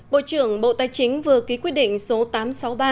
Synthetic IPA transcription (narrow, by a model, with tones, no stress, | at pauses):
ɓo̰˧˨t͡ɕɨ˧˩əŋɓo̰˧˨t̪aː˨˧˩jt͡ɕï˨˦ŋ̟vɨ˨˩əki˨˦kwt̚ɗḭ˧˨ŋ̟so˨˦t̪aː˨˦msa˨˦wɓaː˧˩